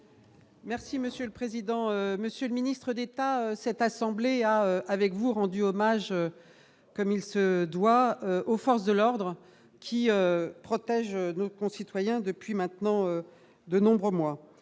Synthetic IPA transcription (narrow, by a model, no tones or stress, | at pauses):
mɛʁsiməsjøləpχezid̪ɑ̃øməsjøləminist̪χəd̪et̪aøsɛt̪asɑ̃bleaøavɛkvuʁɑ̃d̪yɔmaʒø | kɔmilsəd̪waøʔofɔʁs̬d̪əlɔʁd̪ʁə | kʲʰiøpχɔt̪ɛʒønokɔ̃sit̪wajɛ̃d̪əpɥimɛ̃t̪nɑ̃ø | d̪ənɔ̃bʁəmwa